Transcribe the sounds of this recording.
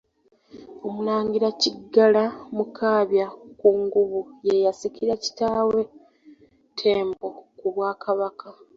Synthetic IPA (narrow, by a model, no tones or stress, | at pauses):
o̞mulaːŋɡiɾaciɡːalamukʰaːβjakuŋɡuβuje̞jasikiɾaci̥taːwe̞ | tʰe̞ːmbo̞kuβwaːkaβakʰa